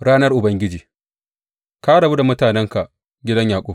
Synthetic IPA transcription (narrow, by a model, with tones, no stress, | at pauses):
ɾaː˦nɐ˦rʔʊ˨bɐ˨ŋɡʲɪ˦d͡ʒiː˨ | ka˦ɽɐ˨bu˦da˨mʊ˦taː˨nɛ˦ŋka˨ʔ | ɡʲɪ˦dɐ˦ɲjaː˨kʷʼoː˦